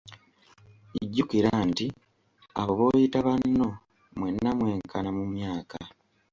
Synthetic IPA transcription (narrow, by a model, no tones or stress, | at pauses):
iɟːukiɾaːnti | a̰βoβoːjitaβanːo̞ | mwe̞nːamwe̞ːŋkʰanamumjaːka